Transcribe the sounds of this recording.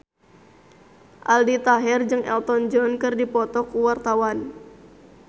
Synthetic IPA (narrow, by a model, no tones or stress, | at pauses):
ʔaldit̪aɦɛrd͡ʒɨŋɛ̰lt̪ɔnd͡ʒɔnkɨrdipɔt̪ɔkuwart̪awan